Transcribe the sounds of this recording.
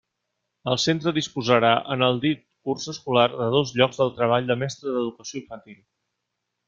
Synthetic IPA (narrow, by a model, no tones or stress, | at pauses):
əlˠsent̪ɾəðispuzəɾaʔənəlˠd̪it̪kursəskularðəðozʎɔɡzðəlˠt̪ɾəβ̞aʎd̪əmɛst̪ɾəðəðukəsioiɱfənt̪ilˠ